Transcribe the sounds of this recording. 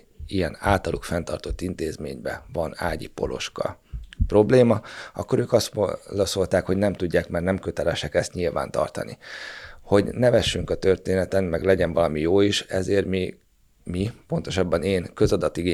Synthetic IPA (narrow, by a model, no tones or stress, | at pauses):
ijɛna̰ːlt̪ɒlʔukfɛnt̪ɒrt̪o̞t̪ːint̪eːzmḛːɲbɛ̰vɒna̰ːɟḭpo̞̰lʔo̞̰ʃkɒ̰pro̞bleːmɒɒ̰kːo̞ɾøːkɒst̪olɒso̞lt̪aːkho̞ɟnɛmt̪uɟːaːkmɛrnɛmkøt̪ɛlɛʃɛkɛst̪ɲilva̰ːnt̪ɒ̰rt̪ɒ̰nḭho̞ɟnɛvɛʃːyŋkɒt̪ø̞rt̪eːnɛt̪ɛnmɛɡlɛɟɛnvɒlɒmijoːiʃɛzeːrmi | mipo̞nt̪o̞ʃɒbːɒneːnkø̞zɒd̪ɒt̪ːiɡeː